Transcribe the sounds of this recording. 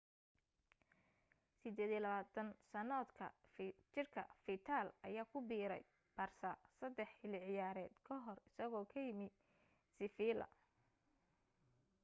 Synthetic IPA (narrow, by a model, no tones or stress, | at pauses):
sɪd̪ɛːd̪jilɐβaːt̪ʰɐnsɐnɔːd̪kʰɐ̰t͡ʃɪrkʰɐ̰fit̪ʰaːlɐ̰jaːkʰʊbiːɾɛ̰j | b̥ɐrsɐsɐd̪ːɛħɪlɪʕɪjaːɾɛːd̪̥kʰɔɦɔrɪsɐɣɔːkʰɐjɪmɪ | sɪfiːlɐ̰